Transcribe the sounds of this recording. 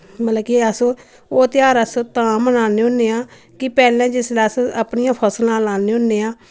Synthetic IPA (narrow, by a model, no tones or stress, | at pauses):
mələkiəsoː | oːt̪ɪjaːɾəsoːt̪ãːmənaːneːõːneːãː | kɪpɛːlɛ̃ːd͡ʒɪslɛːəsʔəpnijãːpʰəslãːlãːneːõːneːãː